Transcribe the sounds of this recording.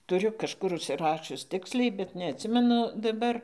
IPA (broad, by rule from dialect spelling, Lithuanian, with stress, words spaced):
tʊˈrʲʊ kɐʃˈkʊr ʊʃʲsʲɪˈrɑːʃʲʊs ˈtʲɪksʲlʲɛɪ bʲɛt nʲɛɐtʲˈsʲɪmʲɛnʊ dɐˈbɐr